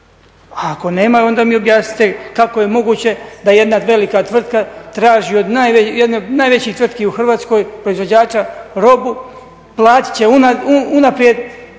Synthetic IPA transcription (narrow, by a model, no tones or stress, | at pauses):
aːko̞ne̞ːmao̞nd̪aːmio̞bjaːsni̥t̪ekako̞je̞mo̞ɡuːt͡ɕe̞d̪aje̞d̪naʋe̞likat̪ʋr̩t̪kat̪ɾaːʒio̞d̪najʋejed̪nenaːjʋe̞t͡ɕiːt̪ʋr̩t̪kiuxr̩ʋaːt̪sko̞jpɾoizʋo̞d͡ʑaːt͡ʃaɾo̞bu | plˠaːt̪i̥t͡ɕe̞unauunapɾjed̪